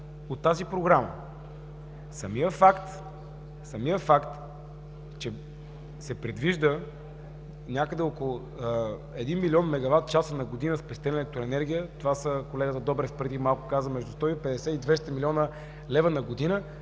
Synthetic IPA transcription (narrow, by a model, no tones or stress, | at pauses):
ot̪ːazipɾoɡɾamə̰ | sɐmijəfakt̪ | sɐmijəfakt̪ | t͡ʃɛ | sɛpɾɛd̪viʒd̪ə | nʲakəd̪ɛokolˠʊ | ɛd̪inmilʲiɔnmɛɡɐvat̪̚t͡ʃasənɐɡod̪inəspɛst̪ɛnɛlɛk̚t̪ɾoɛnɛɾɡʲijət̪ovasəkolɛɡət̪əd̪ɔbɾɛspɾɛd̪imalˠkʊkazəmɛʒd̪ust̪ɔipɛd̪ɛsɛid̪vɛst̪əmilʲiɔnə | lɛvənɐɡod̪inə